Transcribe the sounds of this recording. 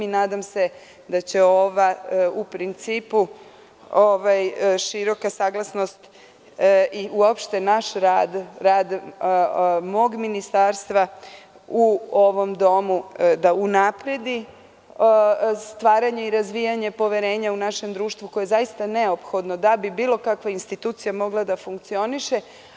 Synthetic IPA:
inaːd̪amse̞ | d̪at͡ɕe̞o̞ʋaupɾint̪siːpu | oʋajʃiɾo̞kasaːɡlˠasno̞st̪ | iʔuopʃt̪enaʃɾaːd̪ɾaːd̪ | mo̞ːɡminist̪aɾst̪ʋa | uo̞ʋo̞md̪o̞mud̪aunapɾe̞d̪i | st̪ʋaːɾaɲeiɾazʋijaɲe̞po̞ʋe̞ɾe̞ːɲaunaʃe̞md̪ɾuːʃt̪ʋuko̞je̞zaist̪ane̞o̞pxo̞d̪no̞d̪abibiːlˠo̞kakʋainst̪it̪uːt̪sijamo̞ɡlˠad̪afuŋk̚t̪sio̞niʃe̞

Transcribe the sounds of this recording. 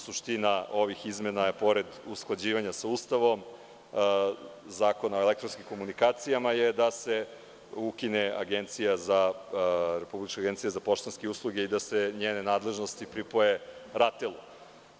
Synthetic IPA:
suʃt̪inao̞ʋixizmenajepo̞ɾed̪usklˠad͡ʑiːʋaɲasaust̪aʋo̞m | zaːko̞naoelekt̪ɾonskʲimko̞munikaːt̪sijamajed̪ase̞ | ukinea̰ɡent̪sijaza | ɾe̞publit͡ʃkoaɡent̪sijezapo̞ʃt̪onskeuslˠuɡe̞id̪aseɲeːne̞naːd̪leʒno̞st̪ipɾipo̞jeɾat̪elˠu

